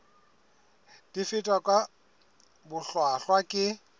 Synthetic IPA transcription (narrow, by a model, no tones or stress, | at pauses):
d̥ifɪtʼwakʼwa | bʊɬwaɬwakʼɪ